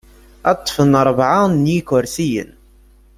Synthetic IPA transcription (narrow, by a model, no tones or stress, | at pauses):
ɑt̪ˤːfənəɾˤvʕanjikʊɾsijə̰n